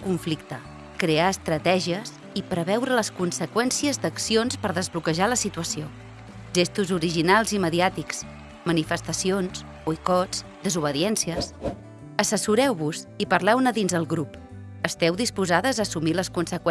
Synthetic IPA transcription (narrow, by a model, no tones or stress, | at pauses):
kuɱflik̚t̪ə | kɾeaəst̪ɾət̪ɛʒiəs | ipɾəβɛwɾələskunsəkwɛnsiəzd̪əksionspəɾðəzβlukəʒaləsit̪uəsio | ʒest̪uzuɾiʒinalˠziməðiat̪iks | mənifəst̪əsions | ujkɔt͡s | d̪əzuβ̞əðiɛnsiəs | əsəsuɾɛwβuzipəɾlɛwnəðinzðəlˠɣɾup | əst̪ɛwðispuzaðəzəːsumiləskunsəkw